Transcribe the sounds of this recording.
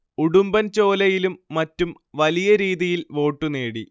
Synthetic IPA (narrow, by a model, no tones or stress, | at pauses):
uɽumbɐnt͡ɕo̞ːlɐjilumːɐtːum | ʋɐlijɐɾiːðijilʋo̞ːʈːuneːɽi